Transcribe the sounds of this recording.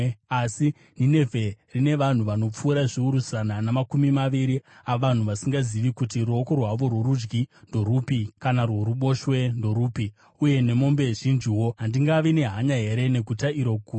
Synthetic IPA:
asi | nine̞vʱe̞rine̞ʋan̤uʋano̞p͡fuːɾaʐiuɾusananamakumimaʋiɾiaʋan̤uʋasiŋɡaziʋikutiɾuokorwaʋo̞rweɾud͡ʒɡindo̞ɾupikanarwoɾuɓo̞ʃwe̞ndo̞ɾuːpi | uje̞ne̞mo̞mbe̞ʐind͡ʒiwo̞ɦandiŋɡaʋine̞ɦaɲaɦe̞ɾe̞ne̞ɡʱutaiɾo̞ku

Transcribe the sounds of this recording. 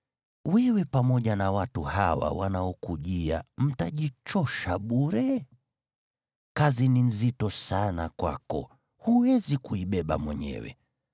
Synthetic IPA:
wɛwɛpamɔʄanawatuhawa̰wa̰naɔkuʄia̰m̩taʄit͡ʃɔʃaɓuɾɛ | kazinin̩zitɔsanakwa̰kɔ̰ | huwɛzikuiɓɛɓa̰mwɛɲɛ̰wɛ̰

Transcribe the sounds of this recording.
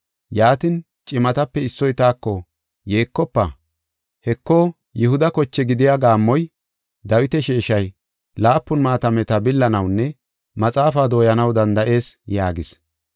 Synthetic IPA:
jaːt̪ɪn | t͡ʃʼɪmɐt̪ɐpːɛɪsːɔjt̪aːkːɔ | je̞ːkːɔpːɐ | hɛkːɔ | jɛhʊd̪ɐkɔt͡ʃːɛɡɪd̪ɪjaɡaːmːɔj | d̪ɐwɪt̪ɛʃeːʃɐj | laːpːʊnmaːt̪ɐmɛt̪ɐbɪlːɐnɐwnːɛ | mɐt͡sʼaːfaːd̪oːjɐnɐwd̪ɐnd̪ɐʔe̞ːsjaːɡɪs

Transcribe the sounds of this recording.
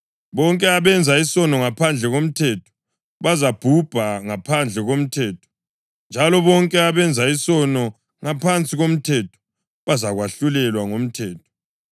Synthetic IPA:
βɔŋkʼɛaβɛnd͡zʱaisɔnɔŋapʰand͡ɮʱɛɣom̩tʰɛtʰɔ̥ | βazab̥ʱub̥ʱaŋapʰand͡ɮʱɛɣom̩tʰɛːtʰɔ̥ | nd͡ʒʱalɔβɔŋkʼɛaβɛnd͡zʱaisɔnɔ | ŋapʰant͡sʼiɣom̩tʰɛtʰɔ̥ | βazaɣwaɬulɛlwaŋom̩tʰɛːtʰɔ̥

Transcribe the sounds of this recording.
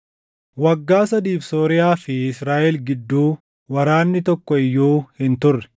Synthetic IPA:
wɐɡːaːsɐd̪iːfsoːɾɪjaːfɪɪsɾaːʔɛlɡɪd̪ːuː | wɐɾaːnːɪt̪ɔkːɔɪjːuːhɪnt̪ʊrːɛ̥

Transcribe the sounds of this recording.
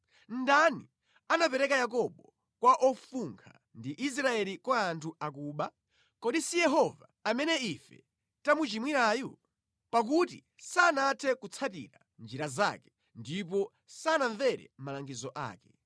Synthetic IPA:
n̩dani | anapɛɾɛkajak̬ɔɓɔ | kwaʔɔfuŋkʰa̰ | ndiʔis̬ɾaɛlikwaːntʰuak̬uːɓa | kɔɗisijɛɦɔvaːmɛnɛifɛ̰ | tamut͡ʃimwiɾaːjɔ | pak̬uti | sanatʰɛkut͡sʰatḭɾa | nd͡ʒiɾaza̰kɛ̥ | ndip̬ɔ | sanaɱvɛɾɛ̰m̩malaŋɡizɔʔa̰ːkɛ̥

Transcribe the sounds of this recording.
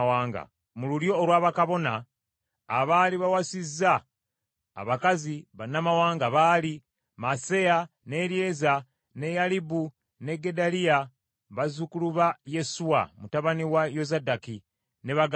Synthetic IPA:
waːŋɡa̰ | mululjo̞ːɾwaːβakaβo̞naː | βaːliβawasiza̰ː | βakaziβanamawaːŋɡaβaːli | mase̞ja | ne̞ɾje̞za | ne̞jalibu | ne̞ɡe̞dalija | βazukuluβaje̞suwa̰mutaβaniwajo̞zadaki | ne̞βaɡ

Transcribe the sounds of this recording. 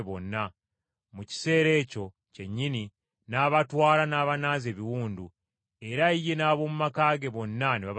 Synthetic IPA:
βo̞nːa | muci̥se̞ːɾe̞ːco̞ | ce̞ɲːini | naːβatwaːlanaːβanaːze̞ːβiwuːndu | e̞ɾaije̞naːβo̞ːmumakaːɡe̞βo̞nːaneβaβ

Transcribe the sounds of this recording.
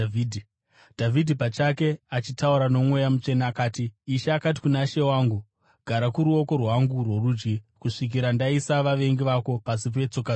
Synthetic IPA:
d | dʱavʱidʱipat͡ʃake̞at͡ʃitauɾano̞mwe̞jamut͡ʃe̞naːkaːtiːʃeːkat̬i̥kunaʃe̞waːŋɡu | ɡ̥ʱaɾakuɾuo̞ko̞rwaŋɡurwo̞ruːd͡ʒɡikuʂik̬iɾandaisaʋaʋe̞ŋɡiʋako̞pasip̬e̞t͡so̞ka

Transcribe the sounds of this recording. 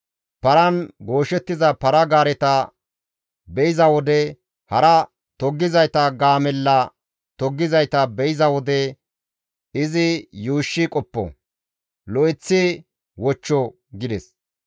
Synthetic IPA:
pɐɾɐnɡo̞ːʃɛt̪ːɪzɐpɐɾɐɡaːɾɛt̪ɐ | bɛɪzɐwɔd̪ɛ | hɐɾɐ | t̪ɔɡːɪzɐjt̪ɐɡaːmɛlːɐ | t̪ɔɡːɪzɐjt̪ɐbɛɪzɐwɔd̪ɛ | ɪzɪjuːʃːɪkʼɔpːɔ̰ | lɔʔɪt͡sːɪ | wɔt͡ʃːɔ | ɡɪd̪ɛs

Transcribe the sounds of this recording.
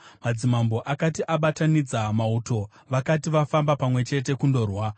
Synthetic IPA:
mad͡zimambo̞ʔakatiʔaɓatanid͡zamauto̞ | ʋakatiʋafambapamwe̞t͡ʃe̞t̬e̞kundo̞ːrwa

